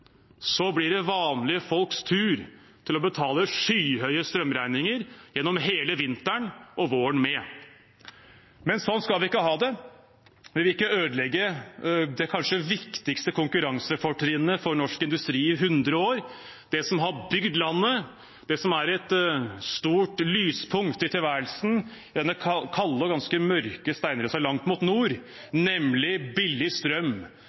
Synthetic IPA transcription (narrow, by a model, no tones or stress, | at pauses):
sɔblɪɖɛʋɑːnlɪəfɔlkst̪ʰʉːɾ | t̪ʰɪlɔbət̪ʰɑːləʂyːhœʏəst̪ɾœmːɾæɪnɪŋəɾjɛnːɔmɦeːləʋɪnt̪əɳʔɔʋoːəɳmɛ | mɛnsɔnːskɑlʋɪɪkːəɦɑːd̪ɛ | ʋɪlʋɪɪkːəøːd̪əlɛɡːəd̪ɛkʰɑnʂəʋɪkt̪ɪkst̪əkʰʊŋkʉɾɑŋsəfɔʈɾɪnːəfɔɾnɔʂkɪnd̪ʉst̪ɾiːɪɦʉnd̪ɾəoːɾ | d̪̥ɛsɔmɦɑɾbʏɡd̪lɑnːə | d̪̥ɛsɔmæɾɛt̪st̪uːʈlyːspʰʊŋt̪ɪt̪ʰɪlʋæːɾəlsn̩ | d̪ɛnːəkʰɑlːəɡɑnskəmœɾkəst̪æɪnəɾəsɑlɑŋt̪mʊt̪nuːɾ | nɛmlɪbɪlːɪst̪ɾœm